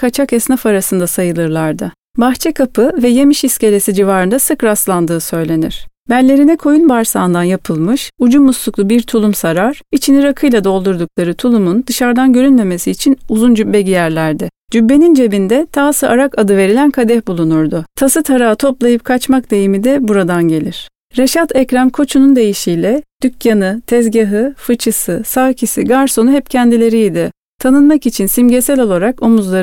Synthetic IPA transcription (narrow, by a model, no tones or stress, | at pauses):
kʰat͡ʃʰakɛsnafaɾasɯnd̪asajɯlˠɯɾlˠaɾd̪ɯ | baxt͡ʃʰɛkʰapʰɯvɛje̞miʃisce̞lʲe̞sid͡ʒivaːɾɯnd̪asɯkɾaslˠand̪ɯːsø̞jlʲe̞niɾ̥bælʲːe̞ɾinɛkʰo̞junbaɾsaːnd̪anjapʰɯlˠmɯʃud͡ʒumːusluklˠubiɾt̪ʰulˠumsaɾaɾ̥it͡ʃʰiniɾakʰɯjlˠad̪o̞lˠd̪uɾd̪uk̚lˠaɾɯt̪ʰulˠumund̪ɯʃaɾd̪anɟø̞ɾynme̞me̞siːt͡ʃʰinuzund͡ʒybːɛɟijæɾlʲæɾd̪ɪ | d͡ʒybːe̞nind͡ʒe̞bind̪ɛt̪ʰaːsɯʔaɾakad̪ɯve̞ɾilʲænkʰad̪ɛhbulˠunuɾd̪ʊt̪ʰasɯt̪ʰaɾaːt̪ʰo̞plˠajɯp̚kʰat͡ʃmak̚d̪e̞jimid̪ɛbuɾad̪anɟe̞lʲiɾ̥ | ɾeʃat̪ʰɛcɾamkʰo̞t͡ʃʰunund̪e̞jiʃijlʲɛd̪̥ycjanɯt̪ʰɛzɟaɦɯfɯt͡ʃʰɯsɯsaːcʰisiɡaɾso̞nuɦɛpcʰænd̪ilʲe̞ɾijːd̪ɪ | t̪ʰanɯnmakit͡ʃʰinsimɟesɛlʲo̞lˠaɾako̞muzlˠa